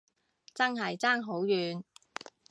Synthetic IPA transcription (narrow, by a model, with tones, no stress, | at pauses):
t͡sɐ˥nɦɐ˨jt͡saː˥ŋɦo˨˥wjyː˨˧n